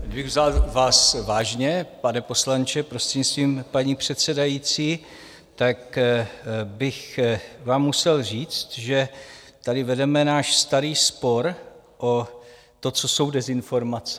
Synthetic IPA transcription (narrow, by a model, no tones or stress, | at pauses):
dɪbɪɣvzalvaːsvaːʒɲɛpanɛpo̞slant͡ʃɛpɾost̪r̥eɲɪst̪viːmpaɲiːpr̝̥ɛt̪sɛdajiːt͡siː | t̪ak | bɪxvaːmːusɛlriːt͡st̪ʒɛt̪adɪvɛdɛmɛnaːʃst̪aɾiːspo̞ɾ | ʔo | t̪o̞t͡so̞so̞wdɛzɪnfo̞ɾmat͡sɛ